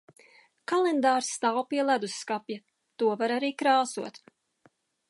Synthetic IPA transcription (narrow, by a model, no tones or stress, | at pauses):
kalˠend̪aːɾsːt̪awpiɛlˠæd̪usːkapʲja | t̪uɔvaɾaɾiːkɾaːsuɔt̪